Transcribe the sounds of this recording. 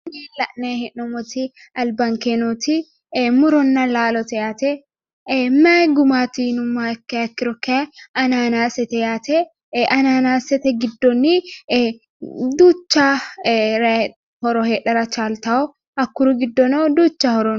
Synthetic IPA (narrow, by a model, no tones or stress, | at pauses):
niːlɐʔnehɛʔːɔmɔt̪i | ɐlbɐŋkenot̪ɪ | mʊɾɔnːɐlaːlɔt̪ɛjaːt̪ɛ | mɐɡʊmaːt̪inʊmːakːɐɐkːɪɾɔkːɛɐnaːnaːsɛt̪ɛjaːt̪ɛ | ɐnaːnaːsɛt̪ɛɡɪd̪ːɔni | d̪uːt͡ʃːaːɾ | hɔɾɔheːᶑɐɾɐt͡ʃaːlt̪ɐɔ | ɐkːʊɾuɡɪd̪ːɔnoːd̪uːt͡ʃːɐhɔɾɔn